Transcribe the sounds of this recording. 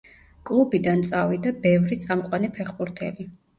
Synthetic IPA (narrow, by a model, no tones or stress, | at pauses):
kʼlˠubid̪ant̪sʼavid̪abɛvɾit̪sʼamqʼwanipʰɛχbuɾt̪ʰɛ̰li